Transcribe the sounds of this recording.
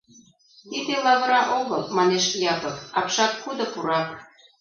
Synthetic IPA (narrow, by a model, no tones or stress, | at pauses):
t̪id̪elɑβɾɑʔoɣɤ̆lmɑneʃjɑpɤkɑpʃɑkːud̪ɤ̆puɾɑk